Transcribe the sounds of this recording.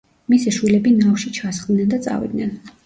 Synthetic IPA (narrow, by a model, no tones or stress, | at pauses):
misɛʃwilɛbinafʃit͡ʃʰasχd̪nɛnd̪at̪sʼa̰vḭd̪nɛn